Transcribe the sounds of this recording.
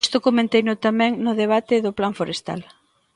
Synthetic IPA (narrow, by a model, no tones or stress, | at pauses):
st̪ʊkomẽnt̪ejnʊt̪amɛ̃ŋnʊðeβ̞at̪ɪðʊplaɱfoɾest̪a̰l